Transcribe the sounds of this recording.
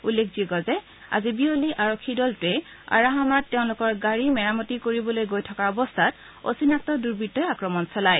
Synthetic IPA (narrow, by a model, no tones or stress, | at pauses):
ulːek̚ʰziɡɔzɛ | a̰zibioliʔaɹokʰːidɔltʊɛ | a̰ɹaɦanatːɛʊ̃lʊkɔɹɡaɹimɛɹamɔtikoɹibɔlojɡojtʰɔkaɔbɔstʰat | o̰sinak̚tɔduɹbitːɔjakɹɔmɔnsɔlaj